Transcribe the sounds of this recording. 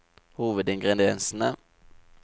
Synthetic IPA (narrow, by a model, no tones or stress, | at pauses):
huːvəd̪ɪŋɡɾɛd̪ɪɛnsəna